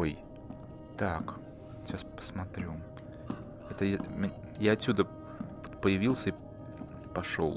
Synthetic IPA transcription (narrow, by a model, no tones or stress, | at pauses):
oj | t̪ak | ɕaspə̥smɐt̪ɾʲu | ɛt̪əjamjaɐtsʲːud̪ə | pot̪pəjɪvʲilˠsʲəi | pɐʂo̰lˠ